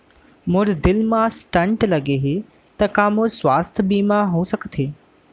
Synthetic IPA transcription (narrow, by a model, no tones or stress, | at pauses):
mʊɾd̪ɪlmãsʈɐ̃ɳʈlɐɡeɦeː | t̪ɐkaːmʊɾswaːst̪ʰəbiːmãɦõsɐkʰət̪ʰeː